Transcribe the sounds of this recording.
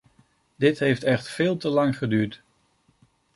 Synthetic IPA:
dɪtɦejftɛχtfɪːlˠtəlɑŋχədyːɹt

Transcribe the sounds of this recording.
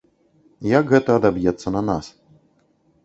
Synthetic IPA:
jakɣɛt̪ɐːd̪abjɛt̪sːɐnɐnas

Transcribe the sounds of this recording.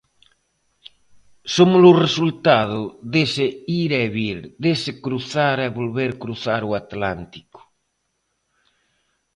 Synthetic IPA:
somʊlʊresult̪aðʊðeseiɾɛβiɾd̪esɪkɾuθaɾɛβolβeɾkɾuθaɾʊat̪lant̪i̥kʊ̥

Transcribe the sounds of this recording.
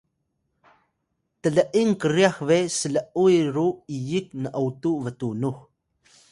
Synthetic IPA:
təɮəʔiŋkəɾiaxvesələʔujɾuijik̚nəʔəwtuvətunux

